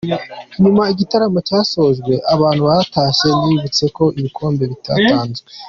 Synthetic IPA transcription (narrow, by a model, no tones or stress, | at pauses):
ɲumaiɟitaɾamocaːso̞zɡwe̞ʔaβaːn̥huβaɾataːʃe̞nijuβit͡se̞ko̞ʔiβikʰo̞ːmbe̞βita̰ːtaːnzwe